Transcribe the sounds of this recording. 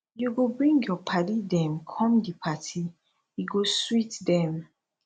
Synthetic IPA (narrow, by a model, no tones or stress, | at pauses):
juɡobɹĩŋɡjɔpʰadidɛ̃mkʰɔ̃mdipʰatʰi | jiɡoswitdɛ̃m